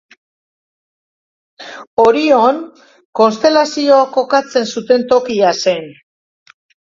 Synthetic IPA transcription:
o̞ɾio̞n | ko̞nst̪e̞lasio̞ako̞kat͡se̞nsut̪e̞nt̪o̞kiase̞n

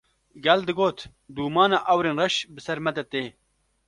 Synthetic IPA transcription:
ɡɛld̪ɨɡoːt̪ | d̪uːmɑːnaːʔɐwɾeːnrɐʃbɨsɐɾmɛt̪ɛt̪eː

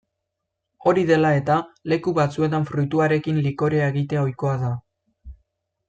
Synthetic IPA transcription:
o̞ɾiðe̞lae̞t̪ale̞kuβat͡sue̞t̪̬aɱfɾut̪uaɾe̞kinliko̞ɾeaeɣit̪e̞o̞jko̞aða

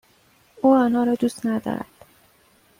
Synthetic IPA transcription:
uːɒːnɒːɾɒːd̪uːst̪næd̪ɒ̰ːɾæ̰d̪̥

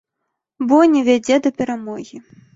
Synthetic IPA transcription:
bɔnʲɛvʲad͡zʲɛd̪ɐpʲɛɾamɔɣʲi

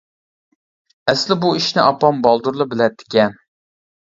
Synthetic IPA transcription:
ɛslɪbuiʃnɪʔɑpɑmbɑlˠd̪uɾlˠɨbɪlɛt̪ʰːɪ̥kʲɛn

